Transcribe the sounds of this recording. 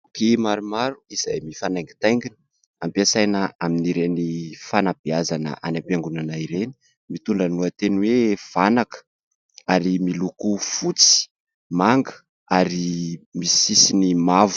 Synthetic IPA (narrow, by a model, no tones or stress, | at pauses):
kimaɾumaɾuiz̥ajmifanajŋɡi̥t̪ajŋɡin | ampiasajnəaminiɾenifanab̥iazanə̰ʔanampiaŋɡunanaiɾeni̥ | mit̪uɳɖ͡ʐanuat̪enwev̥anakə̥ | aɾimilukufut͡si̥ | maŋɡə̥ | aɾimisisinimavu̥